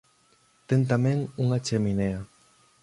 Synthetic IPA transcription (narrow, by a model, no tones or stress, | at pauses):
t̪ent̪amẽŋuŋat͡ʃeminea